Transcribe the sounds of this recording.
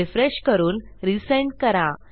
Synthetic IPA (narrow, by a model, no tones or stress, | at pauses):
ifɾeɕkəɾuːnɾiseɳɖkəɾa